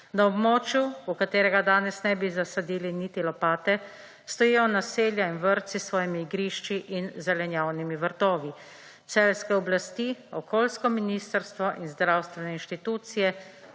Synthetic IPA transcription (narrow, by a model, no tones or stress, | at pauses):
naɔbmɔːt͡ʃjuukat̪eːɾɛɡad̪aːnɛsnɛbizasad̪iːlinit̪ilɔpaːt̪ɛ | st̪ɔjijɔnaseːljainʋəɾt̪sisʋɔːjimiːɡɾiʃt͡ʃiʔinzɛlɛnjaːwnimiʋəɾt̪ɔːʋi | t̪sɛlskɛɔblast̪iɔkoːlskɔminist̪əɾst̪ʋɔʔinzd̪ɾawst̪ʋɛnɛinʃt̪it̪uːt̪sijɛ